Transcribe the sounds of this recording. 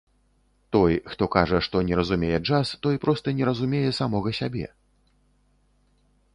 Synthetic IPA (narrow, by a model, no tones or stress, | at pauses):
t̪ɔjxt̪ɔkaʐɐʂt̪ɔnʲɛɾɐzumʲejɛd͡ʐast̪ɔjpɾɔst̪ɐnʲɛɾɐzumʲejɛsamɔɣɐsʲabʲɛ̰